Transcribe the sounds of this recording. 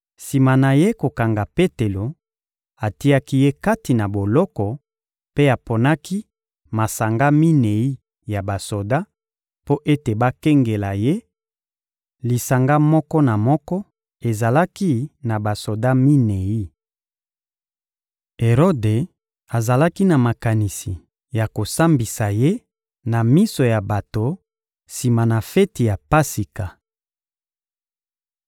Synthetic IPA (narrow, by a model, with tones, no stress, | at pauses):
si˨ma˨na˨je˦ko˨ka˨ŋɡa˨pe˦te˨lo˨ | a˨ti˦a˦ki˦je˦ka˦ti˨na˨bo˨lɔ˦kɔ˨ | pe˦a˨po˨na˦kʰi˦ | ma˨sa˨ŋɡa˦mi˦ne˨i˦ | ja˨ba˨so˨da˦ | po˦ʔe˦te˨ba˦ke˦ŋɡe˨la˨je˦ | li˨sa˨ŋɡa˦mɔ˦kɔ˦na˨mɔ˦kɔ˦ | e˨za˨la˦ki˦na˨ba˨so˨da˦mi˦ne˨i˦ | e˨ʁo˦de˨ | a˨za˨la˦ki˦na˨ma˨ka˨ni˨si˨ | ja˨ko˨sa˦mbi˨sa˨je˦ | na˨mi˦so˨ja˨ba˨to˨ | si˨ma˨na˨fɛ˦ti˨ja˨pa˦si˨ka˨